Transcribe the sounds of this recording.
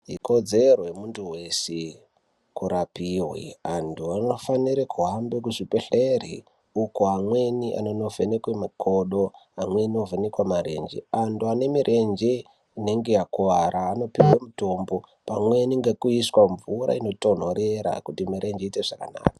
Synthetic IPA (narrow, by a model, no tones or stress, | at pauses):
iko̞d͡ze̞rojemuntʰuwe̞se | kuɾapiwwḭantʰuano̞faniɾekʰuɦambek̬uʐipeɬerḭ | ukoɦamwe̞niʔa̰nono̞venekwemakʰoɗo̞amweniovenekwamaɾe̞̰nd͡ʒḛantʰuane̞miɾʔe̞nd͡ʒe̞ | ine̞ŋɡe̞jakuʋaɾaːno̞piwemuto̞ːmbo̞pamwe̞niŋɡekuiswaɱvuɾa̰ino̞to̞n̤oɾeɾa̰kutimiɾʔe̞nd͡ʒeiteʐakana̰ːkḁ